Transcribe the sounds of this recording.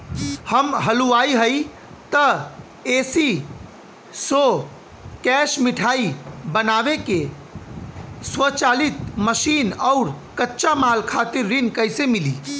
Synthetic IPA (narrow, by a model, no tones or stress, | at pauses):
həmɦəluaiɦəj | t̪ə | esi | so | kɛʃmiʈʰaibənabeke | swət͡ʃalit̪məsinaʊɾ | kətːʃamalkʰat̪iɾːinkəjsemili